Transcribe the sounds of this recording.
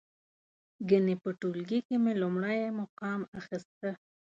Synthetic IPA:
ɡənepəʈulɡikemelʊmɽajmoqɑmaxist̪ə

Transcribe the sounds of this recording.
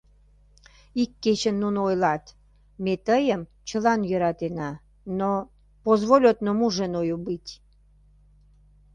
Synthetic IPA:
ikːet͡ɕənːunoojlɑt̪ | met̪əjəm | t͡ɕəlɑnjəɾɑt̪enɑ | no | pozβolʲot̪nomuʒenojubɨt̪ʲ

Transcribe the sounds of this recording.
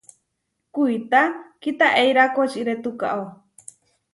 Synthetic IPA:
kuit̪akit̪aʔejɾakot͡ʃiɾet̪uka̰ʔow

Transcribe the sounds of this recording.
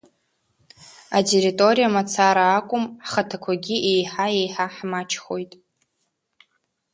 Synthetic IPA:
atʼe̞ɾitʼo̞ɾijamat͡sʰaɾaːkʷʼʊmχatʰakʷʰaɡʲiʔejħaejħaħmat͡ʃʰχo̞jtʼ

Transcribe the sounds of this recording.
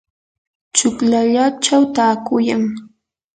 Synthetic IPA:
t͡ʃʊklaʎat͡ʃawt̪aːkʊjaŋ

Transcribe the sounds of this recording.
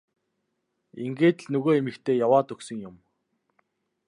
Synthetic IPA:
iŋɡeːt̪ɮnɵɣoːemɘ̆kt̪ʰeːjawaːt̪ɵksɵ̆ŋjʊm

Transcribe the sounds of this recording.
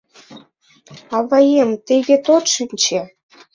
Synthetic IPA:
ɑβɑjemt̪eɣʲet̪ot̪ʃə̆nʲt͡ɕĕ

